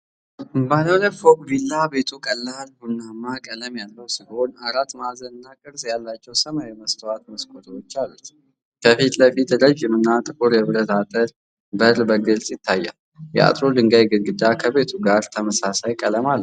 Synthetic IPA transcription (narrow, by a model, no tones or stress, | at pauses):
baləwləfokʼbilːabe̞t̪ʰukʼəlːalhunːamːakʼələmjalːəwsiho̞naɾat̪mazənɨnːakʼɨɾsʼjalːat͡ʃːɛwsəmawɛməst̪ʰəwat̪məskʼot̪ʰəot͡ʃːalut̪ | kʰəfit̪ləfit̪ləd͡ʒjɛmɨnːat̪ʼɨkʼuɾjɛβɾət̪at̪ʼəl | bəɾbəɡɨlsʼjɪt̪ʰːajːa̰l | jɛ̰a̰t̪ʼɾod̪ɨŋɡajɡɨɡɨd̪akʰəβe̞t̪ʰuɡaɾt̪ʰəməsasajkʼələmalː